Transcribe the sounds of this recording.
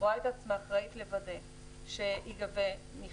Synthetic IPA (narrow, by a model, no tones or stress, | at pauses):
aet̪at͡smaːχʁait̪levade | ʃeʔiɡavemi